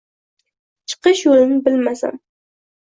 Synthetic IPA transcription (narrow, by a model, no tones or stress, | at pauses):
t͡ʃʰɨ̥qɨʃjolɪnɪbɪlmasa̰m